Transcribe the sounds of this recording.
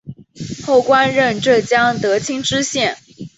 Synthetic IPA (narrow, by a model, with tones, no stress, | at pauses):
xo˥˩ʊkwa˥nɻə˥˧nʈ͡ʂɤ˥˩t͡ɕjɑ˥ŋt̪ɤ˧˥t͡ɕʰi˥ŋʈ͡ʂɻ̩˥ɕjɛ˥˩n